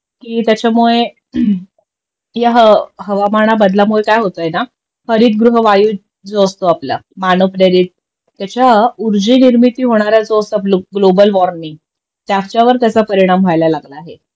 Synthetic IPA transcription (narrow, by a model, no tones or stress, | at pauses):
kiːt̪jat͡ɕjamuɭe | jaɦəɦəʋamaɽ̃abəd̪ʱlamuɭekajɦot̪əjena | həɾiːt̪̚ɡɾuɦʋajuː | d͡zost̪oaplə̰manopɾeɾiːt̪̚ː | jat͡ɕjauɾd͡ʑiːniɾmit̪iːɦoɽ̃aɾad͡zost̪apluɡlobəlʋɔɾniŋɡ | t̪jaft͡ɕjaʋəɾt̪jat͡sapəɾiɽ̃amʋʱajlalaɡlaːɦe